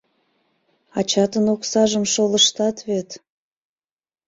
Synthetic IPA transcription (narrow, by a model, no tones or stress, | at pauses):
ɑt͡ɕɑt̪ənoksɑʒəmʃoləʃt̪ɑt̪βet̪